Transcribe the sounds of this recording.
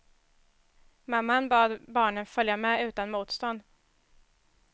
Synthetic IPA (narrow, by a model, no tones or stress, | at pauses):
mamːanbɑːd̪bɑːɳənfœljamɛʉ̟ːt̪anmuːt̪st̪ɔnd̪